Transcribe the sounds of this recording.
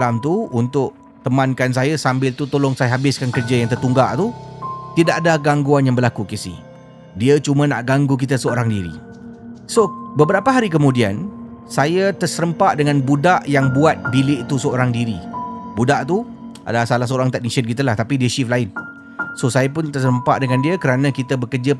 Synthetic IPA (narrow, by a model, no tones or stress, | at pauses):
lamt̪uunt̪ʊʔ | t̪əmãnkans̬ajasambɪlt̪ut̪olɔŋsajaɦabɪskankərd͡ʒajaŋt̪ərt̪uŋɡaʔt̪ut̪idaʔadahɡaŋɡuanjaŋbəlakukisḭh | diət͡ʃumãna̰ʔɡaŋɡuk̬it̪əsəoɾaŋdiɾḭ | sobəbəɾapaɦaɾikəmũdia̰nsajət̪ərsəɾəmpaʔdəŋãnbudaʔjaŋbuat̪̚bilɪʔt̪usəoɾaŋdiɾḭbudaʔt̪uʔa̰dasalahsəoɾaŋt̪aʔniʃən̚kit̪̬əlaht̪apidiəʃiflaɪn | sosajapʊnt̪ərsəɾəmpa̰ʔdəŋãndiəkəɾanãkit̪əbəkərd͡ʒa